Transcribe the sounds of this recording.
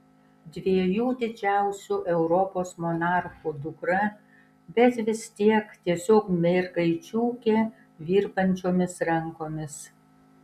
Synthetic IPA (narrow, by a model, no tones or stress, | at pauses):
d̪ʲʋʲeːjuːd̪ʲɪd͡ʒʲæˑʊsʲuʔɛʊɾɔpoːsmɔnɑˑɾxud̪ʊkɾɐ | bʲɛt̪ʋʲɪst̪ʲiɛkt̪ʲiɛsʲoːkmʲɛɾɡɐɪt͡ʃʲuːkʲeː | ʋʲiːɾbɐnʲt͡ʃʲoːmʲɪsɾɐŋkoːmʲɪs